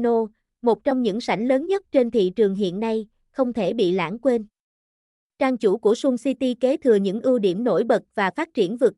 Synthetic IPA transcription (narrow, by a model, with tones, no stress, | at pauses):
no˧ | mo˨˩t̚t͡ɕɔ˧wŋ͡mɲɨ̰˧˥ŋsa˧˩jŋ̟ləː˨˦nɲə˦˥t̚t͡ɕe˧nt̪ʰḭ˧˨t͡ɕɨ˨˩əŋɦḭ˧˨ənːa˧j | xə˧wŋ͡mt̪ʰe˧˩ɓḭ˧˨la̰ː˧˥ŋkwe˧n | t͡ɕaː˧ŋt͡ɕu˧˩ku˧˩əsu˧ŋsi˧t̪i˧ke˨˦t̪ʰɨ˨˩əɲɨ̰˧˥ŋʔɨ˧əwɗi˧˩əmno̰˧˥jɓə˨˩t̚vaː˨˩faː˦˥t̚t͡ɕi˧˩ənvɨ˨˩k̚